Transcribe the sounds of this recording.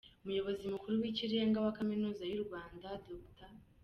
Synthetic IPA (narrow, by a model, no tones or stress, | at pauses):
omujo̞βo̞zimukuɾuwiciɾeeŋɡawakaminuːzajuɾuβaːndadokta